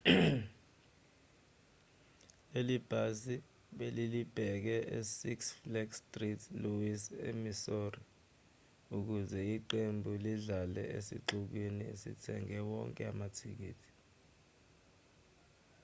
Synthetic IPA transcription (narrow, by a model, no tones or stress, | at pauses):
elib̥ʱasi | ɓelilib̥ʱɛk̬ɛʔesiksflɛkstʼritʰluisḛmisori | uk̬uzɛiǃembʱuliɮalɛ̰ʔḛsḭǁuk̬winiḛsḭtʰɛŋɛwɔ̰ŋkʼɛa̰matʰik̬ḭːtʰi̥